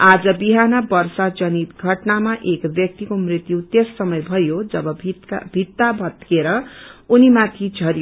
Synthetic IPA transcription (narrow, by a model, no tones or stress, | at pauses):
ad͡zʌbiɦanʌbʌrsad͡zʌnit̪ɡʱʌʈnamaʔekbjʌk̚t̪ikomrit̪jut̪esːʌmʌjbʱʌjod͡zʌbʌbibʱit̪ːabʱʌt̪keɾʌunimat̪ʰid͡zʱʌɾjo